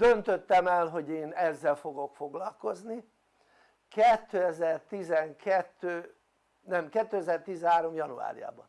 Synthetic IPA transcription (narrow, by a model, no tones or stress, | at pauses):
d̪̥ønt̪øt̪ːɛmɛlɦo̞ɟeːnɛzːɛlfo̞ɡo̞kfo̞ɡlɒlko̞zni | kɛt̪ːøɛzɛrt̪izɛŋkʰɛt̪ːøː | nɛmkɛt̪ːøɛzɛrt̪izɛnɦaːɾo̞mjɒnṵa̰ːɾḭja̰ːbɒ̰n